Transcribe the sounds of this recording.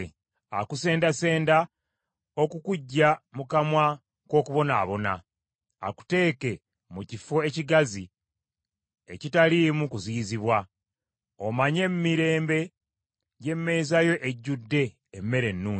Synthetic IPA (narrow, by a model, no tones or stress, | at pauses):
a̰kuse̞ːndase̞ːnda | o̞kukuɟːamukamwa | ko̞ːkuβo̞naːβo̞na̰ː | ku̥te̞ːke̞ | mucifoeciɡazi | e̞̰citaliːmukuziːziβwa | omaɲe̞mːiɾe̞ːmbe̞ | ɟe̞mːe̞ːzajo̞ʔeɟːudːe̞ː | mːe̞ɾe̞nːuː